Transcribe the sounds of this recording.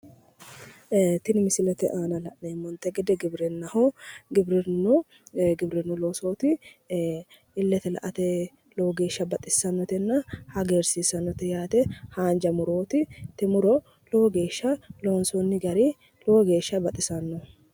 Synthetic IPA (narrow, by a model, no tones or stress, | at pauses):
t̪ɪnɪmɪsɪlɛt̪ɛʔaːnɐlɐʔneːmːɔnt̪ɛɡɛd̪ɛɡɪbɾɛnːɐhɔɡɪbɾɪnɔ | ɡɪbɾɪnːɔloːsoːt̪ɪ | ɪlːɛt̪ɛlɐ̰ʔɐt̪ɛ | loːɡe̞ːʃːɐbɐt̪ʼɪsɐnːɔt̪ɛnːɐhɐɡeːɾsisɐnːɔt̪ɛjaːt̪ɛhaːnd͡ʒɐmʊɾo̞ːt̪ɪt̪ɛmʊɾɔ | loɡe̞ːʃːɐloːnsɔnːɪɡɐɾi | loɡe̞ːʃːɐbɐt̪ʼɪsɐnːɔ